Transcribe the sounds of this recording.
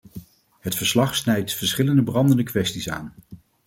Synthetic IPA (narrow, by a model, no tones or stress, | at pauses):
ɦətfəɹslɑχsnɛjtfəɹsχɪləndəbrɑndəndəkʋɛstisa̰ːn